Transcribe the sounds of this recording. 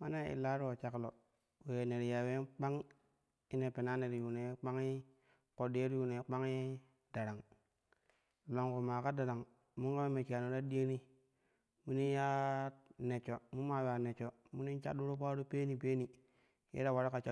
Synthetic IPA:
ma˦na˦ḭ˨la˦ɾu˦wo˨t͡ʃa˨klo˨ | we˨ne˨ɾi˨ja˨we˦k͡pa˦ŋ | i˦ne˨pe˨na˦ne˨ɾi˨ju˨ne˨˦k͡pa˦ŋi˦ | ko˨de˦ɾi˦ju˨ne˨˦k͡pa˦ŋi˦ | da˨ɾa˨ŋ˨ | la˨ŋku˨ma˨ka˦da˨ɾa˨ŋ | mu˦ŋɡa˦we˦me˨ki˨a˨nu˨ɾa˦di˦e˦ni˦ | mu˦ni˦ja˦ne˨t͡ʃo˨mu˦ma˨wa˨ne˨t͡ʃo˨ | mu˦ni˦t͡ʃa̰˦ɗu˦ɾu˦pa˦ɾu˦pe˦ni˨pe˦ni˨ | jḛ˦ɾa˨wa˨ɾa˦ka˨t͡ʃa˦

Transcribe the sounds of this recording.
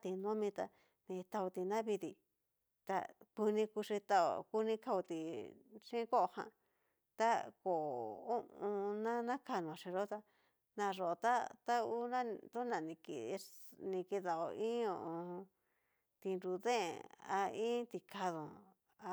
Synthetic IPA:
t̪i˨nõ˦mĩ˧t̪a˧ | nĩ˧t̪a˧u˧t̪i˧nã˦βi˧t̪i˧ | t̪a̰˧ku˧nĩ˧ku˧ʂi˧t̪a˧o̰˧˨ku˧nĩ˧ka˧u˧t̪i˨ʂĩ˦ko˦o˧hã̰˧ | t̪a˦ko˨u˦ʔũ˧nã˦nã˦ka˧nõ˨ʂĩ˧ʐo˧˦t̪a˧ | nã˧ʐo˨o˧t̪a˦t̪a˦u˦nã˦˧t̪u˦nã˨nĩ˧kḭ˧˨˧nĩ˧ki˧ða˧˨o̰˧ĩ˦õ̰˧˨ʔõ˧ | t̪i˧nɾu˧ðẽ˦˨a̰˧ĩ˦t̪i˧kʰa˧ðõ˨ | a˧

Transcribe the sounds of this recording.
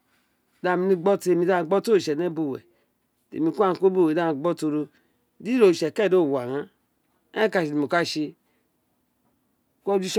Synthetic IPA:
da˧˨mi˧ni˧ɡ͡bɔ˦te˧˨mi˧˨da˧˦˧ɡ͡bɔ˦to˦˨ʃɛ˨ne˦bu˧˨wɛ̰˨ | tḛ˨mi˧kʷa˦˨ko˦bu˦˨da˦˧ɡ͡bɔ˦to˧ɾo˧ | di˦ɾo˨ʃɛ˨kɛ˦˨do˦˨wa˨ɾã˦˨ | ka˧˨ʃi˨di˨mo˨ka˦ʃi˧ | kʷo˦d͡ʒu˦ʃ

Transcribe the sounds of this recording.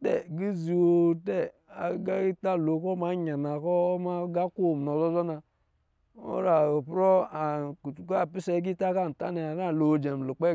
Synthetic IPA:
tɛ˦˨ɡi˦zi˨wo˨te˦a˨˦ɡa˦i˦ta˦˨lo˨˦ko˦ma˨˦ɲa˨na˨kɔ˦ma˦ɡa˦ko˦˨m˨no˨zɔ˦zɔ˦na˨ | o̰˦ɾa˨o˨pɾo˦a˨u˨ka˦˨pi˦sɛ˦ɡi˦ta˦ka˦˨n̩˨ta̰˦ne˨a˨ɾa˦˨lo˨d͡ʒe˨m˨lu˨k͡pe˦

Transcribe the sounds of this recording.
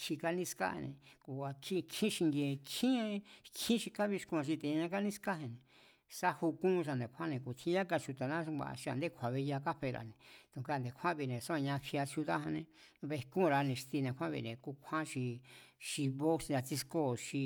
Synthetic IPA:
ʃi˧ka˧nĩ˧ska̰˦˧nḛ̃˨ku˧˨a˧kʰĩ˦˧kʰĩ˦ʃi˧ŋɡje˧kʰĩ˦˧kʰĩ˦ʃi˧ka˦βi˧ʃku˧ã˧ʃi˧t̪ẽ˧ɲã˧ka˦nĩ˦ska˦he˧nẽ˨ | sa˦hu˧kũ˦˧ʃ̬a˧nd̪e˨˧kʰʷã˦nẽ˧ku˨t̪ʰĩ˧˦ja˦ka˧ʃu˧t̪a˨nã˦˧ɡa̰˧ʔʃi˧a̰˧˨nd̪e˦kʷʰa˨βe˧ja˧ka˦ɸe˧ɾa̰˨nẽ˨t̪ũ˧˨˧ka˦˧˨nd̪e˨kʷʰã˦βi˧˨nẽ˨sa˦ã˧ɲã˧fja˧t͡ʃu˧t̪a˦hã˧nẽ˧ | βe˧kũ˦˧ɾa˧nẽ˧ʂt̪i˧nẽ˧kʷʰã˦βḭ˧˨nẽ˨ku˧kʷʰã˦ʃi˧ʃi˧βo˦sa˧t͡si˧sko˦˨ʃi˧

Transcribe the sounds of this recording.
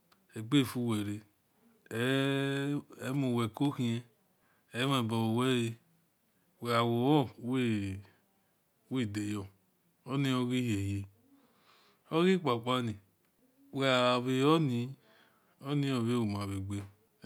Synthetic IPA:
e˨ɡ͡be˦˨fu˧we˨ɾe˨˦ | mo˨wɛ˨ko˦hĩ˦e˧ | e˨˦m˦e˨bɔ˨wo˨we˦e˧ | we˨a˨wo˨˦ɔ˦we˦ | we˦˨de˨jɔ˨ | o˦ni˦o˦ɣi˦he˨je˨ | o˦ɣi˦k͡pa˨k͡pa˦ni˨ | we˨a˨βe˨ɔ˦ni˧˦ | o˦nĩ˦o˨βe˦wo˨ma˨βi˨ɡ͡be˦

